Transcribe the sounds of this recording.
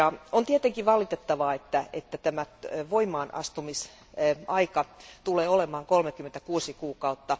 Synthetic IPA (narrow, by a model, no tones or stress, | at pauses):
ɑont̪iet̪eŋkiʋɑlˑit̪et̪ːɑʋɑːet̪ːæet̪ːæt̪æmæʋoimˑɑːnɑ̰st̪umis | ɑikɑt̪uleːolemɑːŋkolmekːymːent̪ækuːsikuːkɑut̪ːɑ